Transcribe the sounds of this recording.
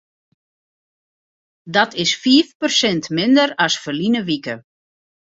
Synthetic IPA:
dɔtʰɪsfiːfpərsɪntmɪndəɾɔsfərlinəʋikə

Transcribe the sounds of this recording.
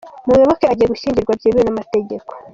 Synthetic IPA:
muwoβokeaɟijeɡuʃiːɲɟiɾɡwabjiβionamate̞ɟe̞ko̞̥

